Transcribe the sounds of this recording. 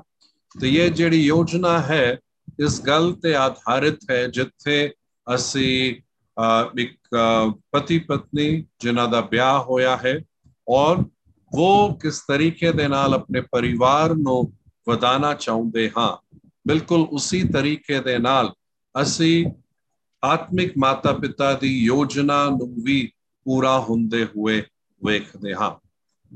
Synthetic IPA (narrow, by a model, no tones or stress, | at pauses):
t̪ejeːd͡ʒeːɽijoːd͡ʒnaɦɛː | ɪsɡɐlt̪eaːd̪ʱaːɾɪt̪ɦɛd͡ʒɪt̪ʰːe | ɐsĩ | ɪk̚ | pət̪ipət̪nid͡ʒɪnãːd̪aːbjaːɦoːjaːɦɛː | ɔːɾ | ʋoːkɪst̪ɐɾiːked̪eːnaːlɐp̚nepɐɾɪʋaːɾnõ | ʋɐd̪aːnat͡ʃaːõːnd̪eɦãː | bɪlkʊlʊsit̪ɐɾiːked̪enaːl | ɐsĩ | aːt̪mɪkmaːt̪aːpɪt̪ad̪iːjoːd͡ʒnanʊ̃ʋiː | puːɾaɦõːnd̪eɦʊe | ʋeːkʰd̪eːɦã̰ː